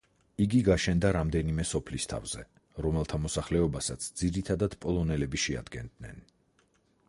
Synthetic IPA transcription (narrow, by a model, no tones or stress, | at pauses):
iɡiɡaʃɛnd̪aɾamd̪ɛnimɛsɔpʰlist̪ʰa̰vz̥ɛ | ɾɔmɛlˠt̪ʰamɔsaχlɛɔbasat̪sʰd̪ziɾit̪ʰad̪ad̪̥pʼɔlˠɔnɛlɛbiʃɛa̰d̪̥ɡɛnd̪nɛ̰n